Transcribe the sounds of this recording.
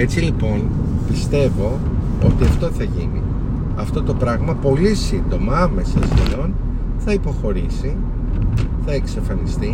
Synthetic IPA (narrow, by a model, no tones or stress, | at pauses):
e̞t͡silipo̞n | pist̪e̞vo̞ | o̞̰t̪iɐft̪o̞θɐʝinḭ | ɐft̪o̞t̪o̞pɾɐɣmɐpo̞lisind̪o̞mɐɐme̞sɐsilo̞n | θɐipo̞xo̞ɾisi | θɐeksɐfɐlist̪i